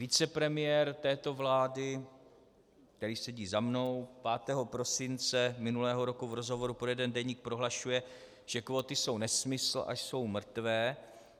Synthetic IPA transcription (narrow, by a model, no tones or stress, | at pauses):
vɪt͡sɛpɾɛmɪjɛɾt̪ɛːt̪o̞vlaːdɪ | kt̪ɛɾiːsɛɟiːzamno̞wpaːt̪ɛːɦo̞pɾo̞sɪnt͡sɛmɪnulɛːɦo̞ɾo̞kuvɾo̞zɦo̞vo̞ɾupɾojɛdɛndɛɲiːk̚pɾo̞ɦlaʃujɛ | ʒ̥ɛkvo̞ːt̪ɪso̞wnɛsmɪsl̩ʔa̰ʃso̞wmr̩t̪vɛː